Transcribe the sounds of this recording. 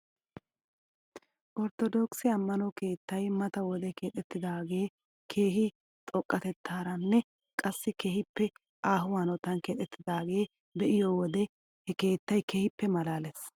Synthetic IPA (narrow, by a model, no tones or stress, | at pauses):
ʔɔɾt̪ɔd̪oːksɪɐmːɐnɔke̞ːt̪ːɐjmɐt̪ɐwɔd̪ɛke̞ːt̪ʼɛt̪ːɪd̪aːɡe̞ː | kʰeːɦɪ | t̪ʼɔkʼːɐt̪ɛt̪ʰːaːɾɐnːɛ | kʼɐsːɪkeːhɪpːɛ | ʔaːɦʊwaːnɔt̪ːɐnkeːt̪ʼːɛt̪ːɪd̪aːɡe̞ː | bɛʔɪjoːwɔd̪ɛ | hɛke̞ːt̪ːɐjkeːhɪpːɛmɐlaːlɛs